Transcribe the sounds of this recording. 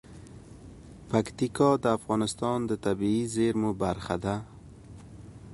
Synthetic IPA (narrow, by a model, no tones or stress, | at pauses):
pakt̪ikɑd̪əafɣɑnɪst̪ɑnd̪ət̪abiizeɾmubaɾxa̰d̪a